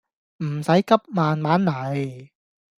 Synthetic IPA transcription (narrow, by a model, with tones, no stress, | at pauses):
m̩˨˩sɐ˨˥jkɐ˥p̚maː˨nmaː˨˥nːɐ˨˩j